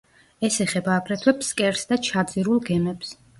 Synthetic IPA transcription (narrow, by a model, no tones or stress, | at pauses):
ɛsɛχɛbaːpʰɾɛt̪ʰwɛpskʼɛɾsd̪at͡ʃʰad̪ziɾulˠɡɛmɛps